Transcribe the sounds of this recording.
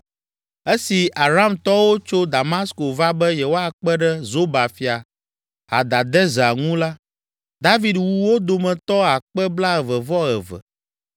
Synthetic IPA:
e˦si˨ʔa˨ɾa˦˨mt̪ɔ˦wo˦t͡ʃo˦d̪a˨ma˦sko˨va˦bɛ˦jɛ˨wo˦a˦˨k͡pɛ˦ɖɛ˦zo˦ba˨fi˨a˨ | ɦa̰˨d̪a˨d̪ɛ˦za˨ŋũ˦la˦ | d̪a˦vi˨d̪wu˨wo˦d̪o˨mɛ̃˨t̪ɔ˦a˨k͡pɛ˦bla˦ɛ˨vɛ˨vɔ˦ɛ˨vɛ̰˨

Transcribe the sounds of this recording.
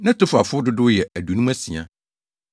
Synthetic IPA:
nã˦tʰʊ˦fa˨fʊ˦dʊ˦dʊ˦jɛ˨æ˨du˨nũ˦æ˦sĩ˨ã̰˨

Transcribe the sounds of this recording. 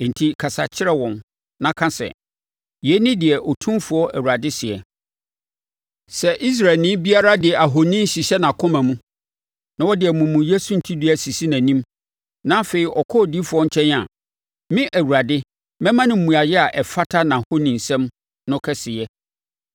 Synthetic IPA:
n̩˨tʰi˦kʰa˨sa̰˨t͡ɕʰɪ˦ɾɛ˦wɔ̃˨n | nã˨kʰã˦sɛ̰˨ | jɛ˨˦nɪ̃˦dɪ˨ɛ˨ʔɔ˨tʰũ˦fʊ˨ɔ˦ʔæ˨wu˨ɾa˨dɪ˦sɪ˨ɛ˨ | sɛ˨ʔi˦s̬ɾa˨lnɪ̃˦bi˦a˦ɾa˦dɪ˨ɛ˨ʔa˨ɦo˨nĩ˦n˦ɕi˨ɕɛ˦nã˨kʰʊ̃˦mã˨mũ˦ | nã˦wɔ˦dɪ˨ɛ˨mũ˨mũ˨jɛ˦su˨n̩˨tʰi˦di˦æ˨si˨si˦næ̃˨nĩ˦m | nã˦fe˨i˦ʔɔ˨kʰɔ˦˨di˦fʊ˨˦ɔ˦ɲ̩˦t͡ɕʰɛ̃˦n˦a̰˨ | mɪ̃˦ʔæ˨wu˨ɾa˨dɪ˦ | mɛ̃˦mã˦nɪ̃˨m̩˨mũ˨a˨jɛ˦a˨ʔɛ˨fa˦tʰa˦nã˨ho˦nĩ˨n̩˨sɛ̃˦m | nʊ̃˦kʰɛ˦sɪ˨jɛ˦

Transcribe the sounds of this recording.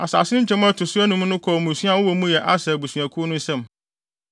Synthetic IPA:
a˨sa̰ː˨sɪ˦nɪ̃˦t͡ɕʰɛ̃˦m˦a˦tʰʊ˨sʊ˦æ˦nũ˦m˦nʊ̃˦kʰɔ˨mũ˨sɥa˦˨wɔ˦wɔ˨˦mũ˦jɛ˨ʔa˦sɛ˨bu˨sɥæ˨kʰu˦o˦nʊ̃˦n̩˦sɛ̃˦˨m

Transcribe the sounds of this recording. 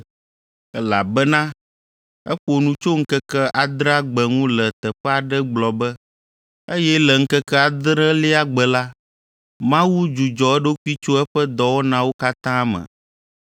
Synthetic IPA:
ɛ˦la˨bɛ˦nã˦ | ɛ̰˦ɸo˨nũ˦t͡ʃo˦ŋ̩˦kɛ˦kɛ˦ʔa˨d̪ɾa˦ɡ͡bɛ˨ŋũ˦lɛ˨t̪ɛ˨ɸɛ˦a˨ɖɛ˦ɡ͡blɔ˨bɛ˦ | e˦jɛ˦lɛ˨ŋ̩˦kɛ˦kɛ˦a˨d̪ɾə̃˦li˦a˦ɡ͡bɛ˨la˦ | mã˦wu˦d͡ʒu˨d͡ʒɔ˨ɛ˦ɖo˦ku˦i˦t͡ʃo˦ɛ˦ɸɛ˦d̪ɔ˨wo˦nã˨wo˦ka˦t̪ã˦a˦mɛ̰̃˨

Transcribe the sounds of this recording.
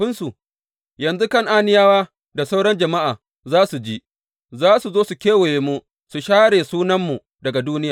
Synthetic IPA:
ɸɪ˦nsu˨ | jɐ˨nzu˦kɐ˦ŋʔaː˦nɪ˦jaː˦waː˦ | da˨sa˦wɽɐ˦nd͡ʒɐ˨ma˦ʔaː˨ | zaː˦su˨d͡ʒi˦ | zaː˦su˨zoː˦su˨kʲeː˦we˨je˨mu˦ | su˨ʃaː˦ɽeː˨suː˦nɐ˦mːu˨ | dɐ˨ɡa˨duː˦nɪ˦jaː˨

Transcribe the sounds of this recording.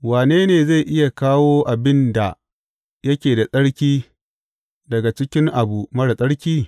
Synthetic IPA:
waː˨neː˦neː˨za˦˨jʔɪ˦ja˨kaː˦woː˦ʔa˨bɪ˦nda˨ | jɐ˦kʲeː˨da˨sʼɐ˦ɽkʲiː˦ | dɐ˨ɡa˨t͡ʃɪ˦kʲɪ˦ŋʔa˨bu˨mɐ˦ɽa˨sʼɐ˦ɽkʲiː˦

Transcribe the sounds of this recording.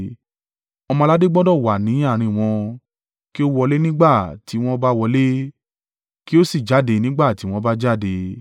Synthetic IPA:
ɔ˧mɔ̃˧la˦de˦ɡ͡bɔ˦dɔ˦˨wa˨nĩ˨˦a˦˨ɾ̃ĩ˧w̃ɔ̃˧ | ki˦o˦wɔ˧le˦nĩ˦ɡ͡ba˦˨ti˨˦w̃ɔ̃˦ba˦wɔ˧le˦ | ki˦o˦si˦˨d͡ʒa˨˦˨de˧nĩ˦ɡ͡ba˦˨ti˨˦w̃ɔ̃˧ba˦d͡ʒa˦˨de˧

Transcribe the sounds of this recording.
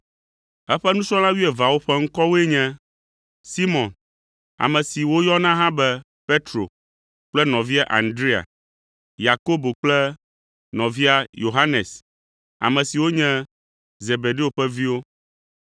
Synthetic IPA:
ɛ˦ɸɛ˦nũ˦sɔ̃˦lã˦wi˦ɛ˨va˨wo˦ɸɛ˦ŋ̩˦kɔ˦wo˦e˦ɲɛ̃˦ | si˦mɔ̃˨n | a̰˨mɛ̃˨si˨wo˦jɔ˦nã˦ɦã˦bɛ˦ | pe˦t̪ɾo̰˨ | k͡plɛ˦nɔ̃˨vi˦a˦ʔa̰˨nd̪ɾi˦a̰˨ | ja˨ko˦bo˨k͡plɛ˦ | nɔ̃˨vi˦a˨jo˨ɦa˦ne˨s | a̰˨mɛ̃˨si˨wo˦ɲɛ̃˦ | ze˨be˨ɖe˦o˨ɸɛ˦vi˦wo˦

